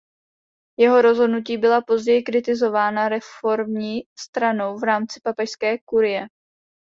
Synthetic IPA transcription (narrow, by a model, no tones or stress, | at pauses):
jɛɦo̞ɾo̞zɦo̞dnuciːbɪlapo̞zɟɛjɪkɾɪt̪ɪzo̞vaːnaɾɛfo̞ɾmɲiːst̪ɾano̞wvɾaːmt͡sɪ̥papɛʃskɛːkuɾɪjɛ